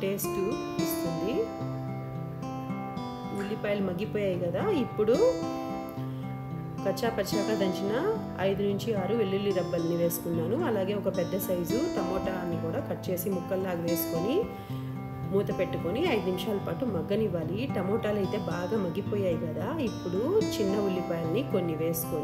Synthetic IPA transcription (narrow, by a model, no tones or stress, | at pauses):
ʈe̞ːsʈu | ist̪oɳɖi | ʋilːipɐjlumɐɡːipɔːjaːjikɐd̪aːipːuɽu | kɐt͡ʃːaːpɐt͡ʃaːkaːd̪ɐɲt͡ʃinɐ | ɐ̰jd̪unuɲt͡ʃiaːɾuʋelːilːiɾɐbːɐlniʋe̞ːsu̥kunːaːnuɐlaːɡe̞ːɔkɐpɛd̪ːɐsɐjd͡ʒuʈ̪ɐmɔːʈaːlɐnːikuːɽaːkɐʈːt͡ʃe̞ːsimukːɐlːaːɡɐʋe̞ːsu̥koni | muːt̪ɐpe̞ʈːukoniɐjd̪unimiʃaːlɐpaːʈumɐɡːɐniʋːaːliʈɐmɔːʈaːlɐjt̪e̞ːbaːɡaːmɐɡːipɔːjaːjikɐd̪aːipːuɽut͡ʃinːɐulːipaːjlɐniko̞nːiʋe̞ːsu̥koːn